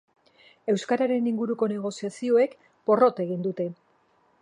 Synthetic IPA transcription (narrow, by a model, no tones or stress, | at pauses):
e̞wskaɾaɾe̞niŋɡuɾuko̞ne̞ɣ̞o̞siasio̞ek | po̞ro̞t̪e̞ɣ̞ind̪ut̪e̞